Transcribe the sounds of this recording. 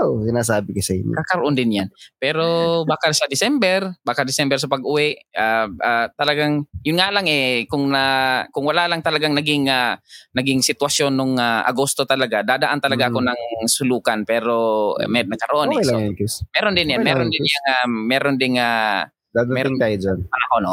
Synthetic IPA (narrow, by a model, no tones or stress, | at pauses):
osɪnasaːbɪkosɐʔḭɲ̰akɐɾoʔond̪ɪnjanpɛːɾobaːkaʃad̪ɪsɛmbɛɾbaːkad̪ɪsɛmbɛɾs̬apɐɡʔʊwɛʔaat̪ɐlɐaɡaŋjʊnŋalaŋʔɛkʊŋnakʊŋwalalaŋt̪ɐlɐɡaŋnɐɡɪŋanɐɡɪŋsɪt̪wasjonːoŋaʔa̰ɡost̪o̞t̪ɐlaɡad̪aːd̪aʔant̪ɐlaɡaʔakonɐŋsʊluːkanpɛːɾo̰mɛd̪̚nɐkɐɾoʔonlmɛːɾond̪ɪnjanmɛːɾond̪ɪnjaŋamɛːɾond̪ɪŋa | d̪ad̪mɛŋajod͡ʒanpɐnahonʔo